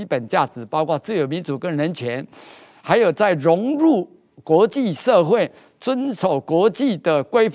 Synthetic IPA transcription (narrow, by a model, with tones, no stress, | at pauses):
i˦˥pə˨˩nt͡ɕja˥˩t͡sɹ̩˨˩˦pɑ˥ʊkwɑ˥˧t͡sɹ̩˥˩jo˨˩ʊmi˧˦˥nt͡su˨˩kə˦nɻə˧˦nt͡ɕʰɥɛ˧˦n | xa˧˥ɪjo˨˩ʊt͡sa˥˩ɪɻʊ˧˥ŋɻu˥˩ | kwɔ˧˥t͡ɕi˥˧ʂɤ˥˧xwe˥˩ɪ | t͡swə˦nʂo˨˩ʊkwɔ˧˥t͡ɕi˥˨d̪ə˩kwe˥ɪf